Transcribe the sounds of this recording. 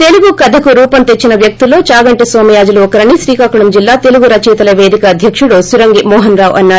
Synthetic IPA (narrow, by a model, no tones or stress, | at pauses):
t̪e̞luɡukɐd̪ʱɐkuɾuːpɐnt̪et͡ʃːinɐʋjɐk̚t̪ulːo̞ːt͡ʃaːɡɐɳʈisʋoːmɐjaːd͡ʒuluɔkɐɾɐɳːiʃɾiːkaːkuɽɐmd͡ʒilːaːt̪e̞luɡuɾɐt͡ʃɛːt̪ɐlɐʋeːd̪ikɐːd̪ʱjɐkʂuɽusuɾɐŋɡimɔːɦɐnɾaːʋʔɐnːaː